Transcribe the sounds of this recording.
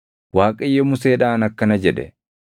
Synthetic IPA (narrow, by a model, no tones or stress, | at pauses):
waːkʼɐɪjːɔmʊseːᶑaːnɐkːɐnɐd͡ʒɛᶑɛ̰